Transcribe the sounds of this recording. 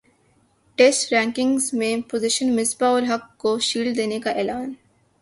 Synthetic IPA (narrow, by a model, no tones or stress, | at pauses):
ʈeːsʈɾɛ̃ːŋkɪ̃ŋɡzmẽpoːzɪʃənmɪsbaɔːɾɦɐkːoʃiːld̪eːnekaʔɛːlaːn